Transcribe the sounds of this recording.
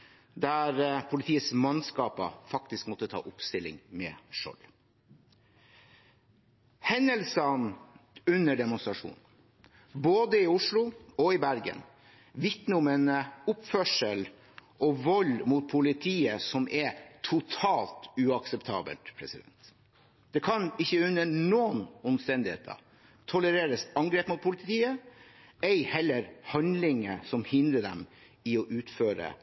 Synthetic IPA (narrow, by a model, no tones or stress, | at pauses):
d̪æɾpʰʊlɪt̪ʰiːət̪smɑnskɑːpɑ̰fɑkt̪ɪskmɔt̪ːət̪ʰɑ̰ːʔʊpst̪ɪlːɪ̰ŋmɛʂɔ̰l | hɛnːəlsənʉnːəɖɛmʊnst̪ɾɑʂṵːn | boːd̪əɪʊʂlʊɔɪbæɾɡə̰n | ʋɪt̪nʊmɛnʊpfœʂəl | ʔɔʋɔlmʊt̪̚pʰʊlɪt̪ʰiːəsɔmʔɛt̪ʰʊt̪ʰɑːlt̪ʉɑksɛpt̪ʰɑ̰ːbə̰lt̪pʰɾɛ̰sɪd̪ɛ̰nt̪ | d̪̥ɛkʰɑnɪçːəʉnːənoːənɔmst̪ɛnd̪ɪhḛːt̪ʰɑ̰ | t̪ʰɔləɾeːɾəsɑŋɡɾeːpmʊt̪̚pʰʊlɪt̪ʰiːə | ɛɪhɛlːəɾhɑnd̪lɪŋə̰sɔmhɪnd̪ɾəɖ̪ɛ̰m | ɪɔʔʉːt̪føːɾə̰